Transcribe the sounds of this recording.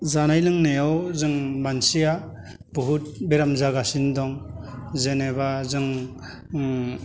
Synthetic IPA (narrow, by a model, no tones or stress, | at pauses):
zanajlɯŋnejawzɯŋbansija | b̥uɦut̚beɾamzaɡasindɔŋzenebazɯŋ